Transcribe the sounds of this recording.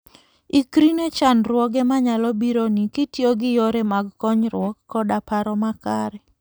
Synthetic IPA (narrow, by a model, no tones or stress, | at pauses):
ikɾinet͡ʃanɾwɔɡɛmaɲalɔbiɾonikɪtjoɡɪjɔɾemaɡkɔɲɾwɔkːɔdapaɾɔmakaɾɛ